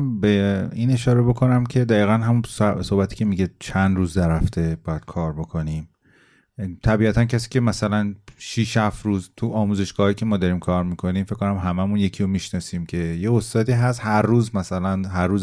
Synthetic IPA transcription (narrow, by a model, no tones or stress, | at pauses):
beiːne̞ʃɒːɾe̞bo̞kʰo̞næmcʰe̞d̪æiːɣænɦæmunso̞hbæt̪ʰi̥ːcʰe̞miɟet͡ʃʰænd̪ɾuːzd̪æɾæft̪e̞bɒːjæd̪̥̚kʰɒːɾbo̞kʰo̞nim | t̪ʰæbiæt̪ʰæncʰæsiːce̞mæsælænʃiʃhæfɾuːzt̪ʰuʔɒːmuːze̞ʃɡ̥ɒːhɒːjicʰemɒːd̪ɒɾiːmkʰɒːɾmikʰo̞niːmfeckʰːonæmɦæmæmunje̞cʰijomiʃnɒːsiːmcʰe̞je̞ost̪ɒːd̪iːɦæst̪hæɾːuːzmæsælænɦæɾːuːz